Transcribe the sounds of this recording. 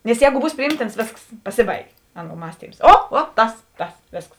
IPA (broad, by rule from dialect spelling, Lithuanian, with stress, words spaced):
nʲɛs ˈjɛːɡʊ ˈbuːs pʲrʲɪˈjiːmʲtʲɪns ˈʋʲeːsks pɐˈsʲɪˌbɐɪɡʲeː ˈɑːˌnuɔ ˈmɑːsʲtʲiːms ˈoː ˈoː ˈtɐs ˈtɐs ˈʋʲeːsks